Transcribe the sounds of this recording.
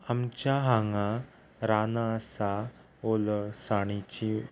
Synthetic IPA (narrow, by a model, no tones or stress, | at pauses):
amt͡ɕjaɦaŋa | ɾanaːsa | olsaɽ̃it͡ɕi